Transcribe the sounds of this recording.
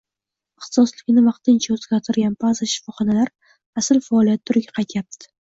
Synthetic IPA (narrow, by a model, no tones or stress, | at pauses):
ɪχt̪ʰɪ̥sɒslɪkʲnɪvɑqt̪ɪnt͡ʃʰaɵzɡʲaɾt̪ʰɪɾɡʲanbazaʃɪ̥fɒχɒnalaɾ | asɪlfaɒlˠijat̪̚ːʰʊɾɪɡʲaqʰɑjt̪ʰjap̚t̪t̪ɪ̥